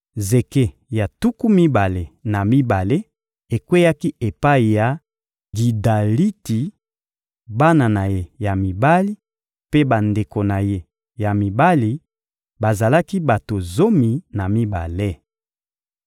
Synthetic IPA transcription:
ze˨ke˦ | ja˨tu˦ku˦mi˦ba˨le˨na˨mi˦ba˨le˦ | e˨kwe˦ja˦ki˦e˨pa˦i˨ja˨ | ɡi˨da˨li˦ti˨ | ba˦na˨na˨je˦ja˨mi˨ba˦li˦ | pe˦ba˨nde˨ko˨na˨je˦ | ja˨mi˨ba˦li˨ | ba˨za˨la˦ki˦ba˨to˨zo˦mi˨na˨mi˦ba̰˨le˦

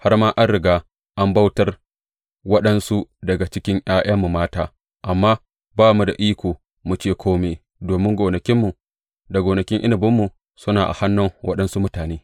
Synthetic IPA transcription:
ha˦rmaː˦ʔa˦nɽɪ˨ɡaː˦ | ʔa˦mba˦wtɐ˦r | wɐ˦ɗɐ˦nsu˦dɐ˨ɡa˨t͡ʃɪ˦kʲɪ˦ŋʔj̰aː˦j̰aː˦mːu˨maː˦taː˦ | ʔa˨mːaː˦ | baː˦mu˨da̰˨ʔiː˦kʷoː˨ | mu˨t͡ʃeː˦˨kʷʰoː˦meː˨ | doː˨mɪ˦ŋɡʷoː˨nɐ˨kʲɪ˦mːu˨ | da˨ɡoː˨nɐ˨kʲɪ˦ŋʔɪ̰˦nɪ˨bɪ˦mːu˨ | sʊ˦naː˨ʔa̰˨ha˦nːʊ˦ŋwʔɐ̰˦ɗɐ˦nsu˦mʊ˦taː˨neː˦

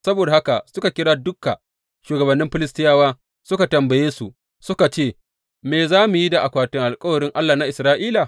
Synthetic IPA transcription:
sɐ˦boː˨da˨ha˦ka˨sʊ˦ka˨kʲɪ˦ɽaː˦dʊ˦kːa˨ | ʃuː˨ɡɐ˨bɐ˨nːɪ˦mɸɪ˦lɪ˦stɪ˦jaː˦waː˦ | sʊ˦ka˨tɐ˨mbɐ˨jeː˦su˨ | sʊ˦ka˨t͡ʃeː˦˨ | meː˨zaː˦mu˨ji˦da˨ʔa˨kʷaː˨tɪ˦ŋʔa˨lkʼɐ˦wɐ˨ɽɪ˦ŋʔa˦lːaː˨na˦ʔɪ˨sɾaː˦ʔiː˦la˨

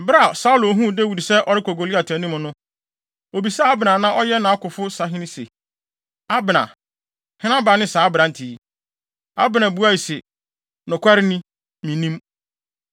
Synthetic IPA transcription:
bɾa˦˨sa˦u˦lo˨ɦũ˦˨dɛ˦wu˨di˨sɛ˦ʔɔ˨ɾɪ˦kʰo˨ɡo˨li˦a˨tʰɛ˨˦nĩ˦mʊ̃˨nʊ̃˦ | o˨bi˨sɛ˦a˦bɪ˨nã˨nã˦ʔɔ˦jɛ˦nã˨a˦kʊ˨fʊ˦sa˨ɦɪ̃˦nɪ̃˦sḛ˨ | a˦bɪ˨nã̰˨ | hɪ̃˦nã˦bɾa˨nɪ̃˦saː˨˦bɾã˨n̩˨tʰi˨˦˨ | a̰˦bɪ˨nã˨bu˦a˦i˨sɛ˨ | nʊ̃˨kʷʰa˦ɾɪ˦nĩ˦ | mĩ˨nĩ˦m

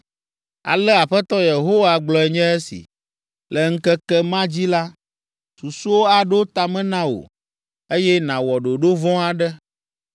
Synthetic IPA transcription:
a̰˨lɛ˦a˨ɸɛ˦t̪ɔ˦je˨ɦo˦wa˨ɡ͡blɔ˨ɛ˨ɲɛ̃˦ɛ˦sḭ˨ | lɛ˨ŋ̩˦kɛ˦kɛ˦mã˦d͡ʑi˦la˦ | su˨su˦wo˦a˨ɖɛ˦wo˦t̪a˨mɛ̃˦nã˦o̰˨ | e˦jɛ˦nã˨wɔ˨ɖo˨ɖo˦vɔ̃˦a˨ɖɛ˦

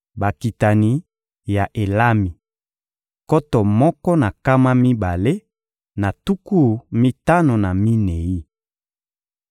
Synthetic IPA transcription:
ba˨ki˨ta˨ni˨ | ja˨ʔe˨la˦mi˨ | kɔ˦tɔ˨mɔ˦kɔ˦na˨ka˦ma˦mi˦ba˨le˦ | na˨tu˦ku˦˨mi˦ta˦no˨na˨mi˦ne˨i˦

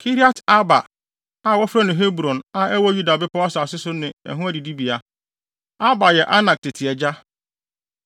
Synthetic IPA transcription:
kʰi˦ɾi˦a˦ta˦ba˨ | a˨wɔ˦fɾa˦nɪ̃˨ɦe˦bɾɔ̃˨na˨ɛ˦wɔ˦ju˦da˨bɪ˦pʰʊ˦a˦sa˨sɪ˦sʊ˦nɪ̃˨ɛ̰˨ɦũ˦æ˦di˨di˦bi˨a˨ | a˦ba˨jɛ˨ʔa˦nã˨k̚tɪ˨tʰɪ˨ɛ˨d͡ʑa˦

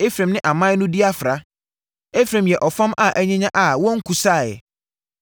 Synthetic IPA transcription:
e˦fɾẽ˨mnɪ̃˦ʔa˨mã˦nʊ̃˦di˦a˦fɾa˨ | e˦fɾẽ˨mjɛ˨ʔɔ˨fã˦mʔa˦˨ʔæ˦ɲɛ̃˦ɲã˦ʔa˨wɔ̃˦ŋ̩˦kʰu˨saː˦˨jɛ̰˨

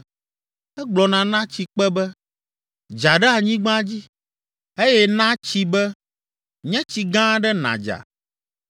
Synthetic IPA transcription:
ɛ˦ɡ͡blɔ˨nã˨nã˦t͡ɕi˨k͡pɛ˦bɛ˦ | d͡ʒa˨ɖɛ˦a˨ɲĩ˦ɡ͡bã˦d͡ʑi˦ | e˦jɛ˦nã˦t͡ɕi˦bɛ˦ | ɲɛ̃˦t͡ɕi˨ɡã˦ɖɛ˦nã̰˨d͡ʒa̰˨

